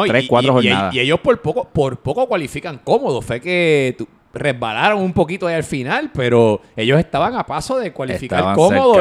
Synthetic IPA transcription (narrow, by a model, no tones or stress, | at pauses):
ot̪ɾeskwat̪ɾohoɾienaðaieʝospoɾpokopoɾpo̞ko̞kwalifikaŋko̞mo̞ðofeke̞t̪u | re̞zbalaɾoŋumpo̞kit̪oaialfinalpe̞ɾo̞ | e̞ʝose̞st̪aβaŋapasoðe̞kwalifikaɾkomoðo